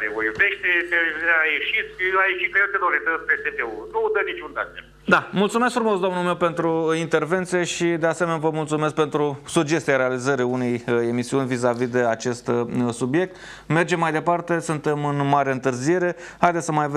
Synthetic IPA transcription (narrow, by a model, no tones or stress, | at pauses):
ɾevojveʃt̪eeajeʃit̪sʲajeʃit̪̚ket̪enolet̪əpet̪epeunud̪ənit͡ʃund̪ae | d̪amult̪sumesk̚fɾumosd̪ooamnulmewpe̞nt̪ɾuint̪e̞rve̞nt̪sije̞ʃid̪e̞ase̞menvəmult̪sumesk̚pe̞nt̪ɾusud͡ʒe̞st̪ijaɾe̞alizəɾiuneje̞misiunʲvizavid̪e̞at͡ʃe̞st̪subije̞k̚t̪ | me̞rd͡ʒe̞mːajd̪e̞part̪e̞sunt̪e̞mɨnmaɾaɨnt̪ɨrzije̞ɾe̞hajd̪esəmajav